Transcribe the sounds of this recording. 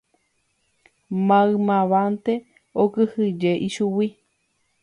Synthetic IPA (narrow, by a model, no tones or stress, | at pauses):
mãɨmãβant̪e | okɨhɨd͡ʒeʔiʃuwi